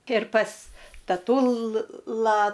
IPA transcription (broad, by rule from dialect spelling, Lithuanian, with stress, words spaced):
ɪr pɐs tɐˈtʊlˠɐ